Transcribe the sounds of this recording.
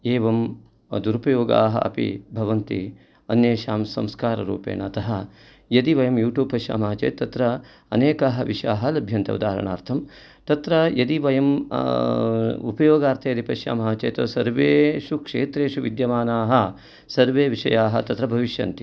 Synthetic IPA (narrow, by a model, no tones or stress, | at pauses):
eːʋɐm | d̪uɾupɐjoːɡa̰ːɦɐ̰ʔɐ̰pḭbʱɐʋɐnt̪ḭ | ɐnjeːʃaːmsɐ̰mskaːɾɐɾṵːpḛːnɐt̪ɐɦɐ | jɐd̪iʋɐjɐmjuːʈjuːb̚pɐʃja̰ːmɐɦɐt͡ʃḛːt̪ːɐt̪ɾɐ | ɐ̰neːkaɦɐʋiʂa̰ːɦɐ̆lɐbʱjɐnt̪ɐ̰ud̪aːɾɐ̰ɳa̰ːɾt̪ʰɐm | t̪ɐt̪ɾɐjɐd̪iʋɐjɐm | upɐjoːɡaːɾt̪ʰɐjɐd̪ipɐʃja̰ːmɐɦɐt͡ʃḛːt̪ɐːsɐɾʋeːʃukʂḛːt̪ɾeːʃuʋid̪jɐmaːnaːɦɐ | sɐɾʋeːʋiʂɐ̰jaːɦɐt̪ɐt̪ɾɐbʱɐʋiʃjɐ̰nt̪i̥